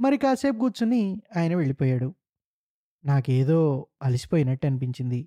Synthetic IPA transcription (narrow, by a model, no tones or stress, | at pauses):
mɐɾikaːse̞ːp̚ɡuːt͡ʃuniaːjɐnɐʋe̞ɭipɔːjaːɽu | naːke̞ːd̪o̞ːɐlisi̥poːjinɐʈːɐnipiɲt͡ʃind̪i